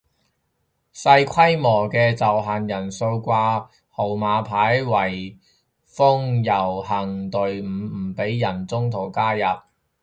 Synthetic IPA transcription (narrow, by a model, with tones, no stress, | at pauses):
sɐ˧jkʷʰɐ˥jmɔː˨˩kɛː˧t͡sɐ˨wɦaː˨njɐ˨˩nso˧wkʷaː˧ | ho˨˩wmaː˨˧pʰaː˨˥jwɐ˨˩j | fʊ˥ŋjɐ˨˩whɐ˨˩ŋt̪ɵ˨ɥm̩˨˩˨pe˨˥jːɐ˨˩nt͡sʊ˥ŋt̪ʰo˨˩wkaː˥jɐ˨p̚